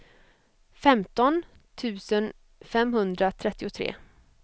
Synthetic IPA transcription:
fɛmt̪ɔn | t̪ʰʉ̟ːsən | fɛmɦɵnd̪ɾat̪ʰɾɛt̪ːɪʊt̪ʰɾḛː

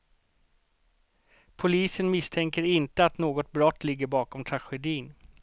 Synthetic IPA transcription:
pʰʊliːsənmɪst̪ʰɛŋkəɾɪnt̪əat̪noːɡɔt̪̚bɾɔt̪ːlɪɡːəɾbɑːkɔmt̪ʰɾaɧɛd̪iːn

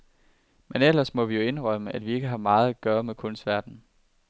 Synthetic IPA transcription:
menel̰ɐsmɒ̽ʋijo̝e̝nʁɶməʔæd̥ʋie̝ɡ̥əɦɑ̈mɑ̈ːð̞̩ˠæɡ̥ɶːɐmekʰɔ̽nsd̥ʋæɐd̥n̩

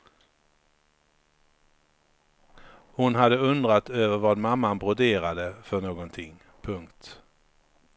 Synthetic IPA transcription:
hʊnɦad̪ːəɵnd̪ɾat̪øːvəɾvad̪mamːanbɾʊd̪eːɾad̪əfœɳoːɡɔnt̪ʰɪŋː | pʰɵŋkt̪

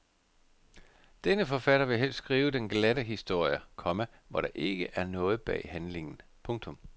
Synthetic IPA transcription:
d̥enəfɒ̽fæɾ̥ɐʋe̝ɦel̰ssɡ̥ʁiːʊəd̥enɡ̥læɾəɦisd̥o̝ɐ̰jəkʰɒ̽mæʋɒɾ̥ɑ̈ʔe̝ɡ̥əʔæɐnɔ̽ːð̞̩ˠb̥ɛ̰ːhænle̝ŋn̩pʰɔ̽ŋt͡sʰɔ̽m

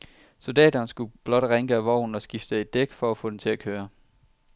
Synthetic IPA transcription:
so̝ld̥ɛ̰ːdɐːnsɡ̥ub̥lɒ̽d̥ʁeŋɡ̥əæʋɒʊ̰n̩ɒ̽sɡ̥ifd̥əe̝d̥̚ːeɡ̥fɒ̽æfɔ̰̽ːd̥em̩t͡sʰe̝lækʰøːɐ

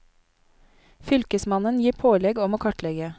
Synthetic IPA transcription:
fʏlkəsmɑnənjiːpʰoːlɛɡɔmoːkʰɑʈlɛɡə

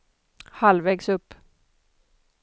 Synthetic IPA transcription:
halvɛːɡsɵpː

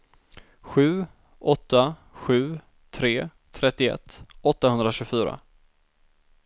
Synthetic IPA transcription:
ɧʉ̟ː | ʔɔt̪ːaɧʉ̟ː | t̪ʰɾeːt̪ʰɾɛt̪ːɪɛ̰t̪ʰːɔt̪ːahɵnd̪ɾaɕɵːɡfyːɾa̰

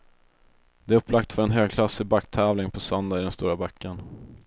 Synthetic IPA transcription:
d̪ɛɵpːlak̚t̪fœɾɛnɦøːɡkʰlasːɪbakːt̪ʰɛːvlɪŋpʰɔsœnd̪aɪd̪ɛnst̪uːɾabakːən

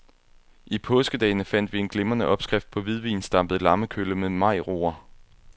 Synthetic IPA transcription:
ʔipʰɔ̽sɡ̥əd̥ɛ̰ːnəfæn̰d̥ʋie̝nɡ̥le̝mɐnəʔɒ̽b̥sɡ̥ʁafd̥̚pʰɒ̽ʋið̞ˠʋḭːnsd̥ɑ̈mb̥ð̩ˠlɑ̈məkʰøləmeðˠmɑ̈ɪ̰ʁo̝̰ːɐ

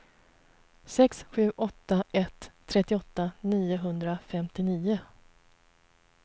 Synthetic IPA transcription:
sɛksɧʉ̟ːʔɔt̪ːaʔɛt̪ʰːɾɛt̪ːɪɔt̪ːaniːʊɦɵnd̪ɾafɛmt̪ɪniːʊ

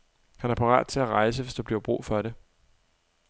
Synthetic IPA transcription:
hænæɐpʰɑ̈ʁɑ̰̈ːd̥̚t͡sʰe̝læʁɑ̈ɪs̬əʋe̝sd̥ub̥liɐb̥ʁṵːfɒɾe

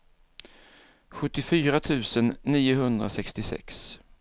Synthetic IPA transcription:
ɧɵt̪ːɪfyːɾat̪ʰʉ̟ːsənːiːʊɦɵnd̪ɾa̰sɛkst̪ɪsɛ̰ks

